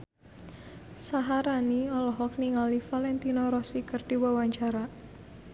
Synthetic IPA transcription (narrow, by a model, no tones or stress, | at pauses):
saɦaɾaniɔlɔɦɔk̚niŋalifalɛnt̪inɔɾɔsikərd̥iwawaɲt͡ʃaɾa